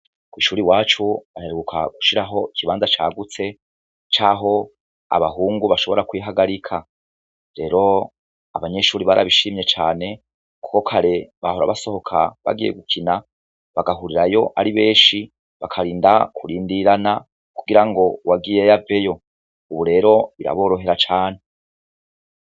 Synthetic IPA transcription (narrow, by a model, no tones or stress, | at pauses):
kwiːʃuːɾiwaːt͡ʃuβateɾeɡukʰa̰ɡu̥ʃiɾaɦo̞ikiβaːnzat͡ʃa̰ːɡut͡se̞ | t͡ʃaːɦo̞ | a̰βaɦuːŋɡuβaʃo̞βo̞ɾakwiːɦaɡaɾikʰa | ɾe̞ɾo̞ | aβaɲe̞ʃuːɾiβaɾa̰βiʃimje̞t͡ʃaːne̞ | ku̥ko̞kʰaɾe̞βahoɾa̰βaso̞ho̞kʰa̰βa̰ɡijḛɡukʰina | βaɡaɦuɾiɾajo̞ʔaɾiβe̞ːʃi | βakʰaɾiːndakʰuɾiːndiɾana | kuɡiɾaŋɡo̞wʔaɡijejave̞jo̞ | uβuɾe̞ːɾo̞βiɾa̰βo̞ːɾo̞ɦe̞ɾat͡ʃaːne